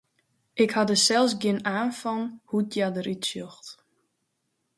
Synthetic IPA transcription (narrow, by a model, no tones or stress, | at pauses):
ʔɪkhadəsɛlˠs̬ɡjɪnaːnfɔnhutjadəɾʔitsjoxt